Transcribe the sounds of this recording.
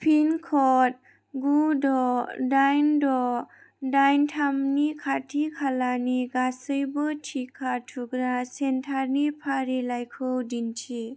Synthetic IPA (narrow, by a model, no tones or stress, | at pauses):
pʰinkʰɔt̚ | ɡudɔdajndɔ | dajntʰamnikʰatʰikʰalaniɡasɯjbɯtʰikʰatʰuɡɾasentʰaɾnipʰaɾilajkʰɯwdintʰi